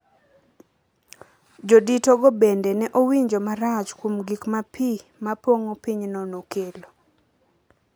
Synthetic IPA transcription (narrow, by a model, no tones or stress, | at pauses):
d͡ʒoditoɡobendɛnɛʔowiɲd͡ʒɔmaɾat͡ʃkwomɡikmapimapoŋopiɲnɔnokelo